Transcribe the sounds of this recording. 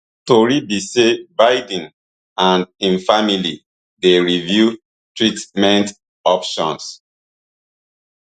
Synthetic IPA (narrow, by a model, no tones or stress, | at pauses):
toɹibisebajdĩn | ãnĩnfamili | deɹivju | tɹitmɛ̃nt | ɔpʃɔ̰̃ns